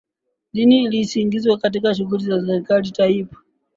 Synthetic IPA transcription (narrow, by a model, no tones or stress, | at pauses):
liniːlisiŋɡizwɛkat̬ikaʃ̬uɣulizasɛɾikalitaipḁ